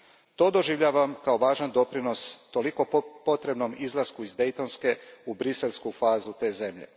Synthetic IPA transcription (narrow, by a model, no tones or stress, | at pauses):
t̪o̞ːd̪oʒiʋʎaːʋamkao̞ʋaːʒand̪o̞pɾino̞st̪o̞liko̞po̞t̪ɾe̞bno̞mizlˠaskuizd̪e̞jt̪o̞nske̞ubɾiselʲˠskufaːzut̪e̞ːze̞mʎḛ